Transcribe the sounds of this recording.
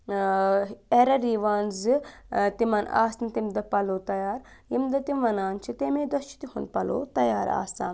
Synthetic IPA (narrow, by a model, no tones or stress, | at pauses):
eɾɐɾiʋaːnzɨt̪imɐna̰ːsnɐt̪imd̪ɐpɐloːt̪ɐjaːɾjimd̪ɐt̪imʋɐnaːnt͡ʃʰit̪emeːd̪ɐst͡ʃʰi̥t̪iɦund̪̚pɐlo̰ːt̪ɐjaːɾa̰ːsaːn